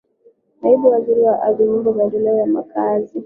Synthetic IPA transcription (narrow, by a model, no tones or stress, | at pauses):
naiɓuwaziɾiwaʔaviɲimbɔmadɔlajamakazi